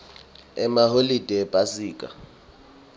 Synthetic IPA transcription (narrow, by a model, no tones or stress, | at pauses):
ɛmaholid̥ʱɛpʼasiːkʼa̰